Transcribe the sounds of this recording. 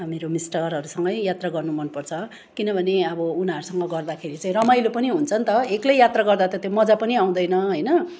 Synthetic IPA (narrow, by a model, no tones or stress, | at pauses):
meɾomisʈʌrɦʌɾusʌŋɡʌjjat̪raɡʌrnumʌnpʌrt͡sʰʌ | kinʌbʱʌneʌbʌunaɦʌɾusʌŋɡʌɡʌrd̪akʰeɾit͡saĩrʌmajlopʌniɦunt͡sʰʌnt̪ʌeklejjat̪raɡʌrd̪at̪ʌt̪jomʌd͡zapʌniaw̃d̪ʌjnʌɦʌjnʌ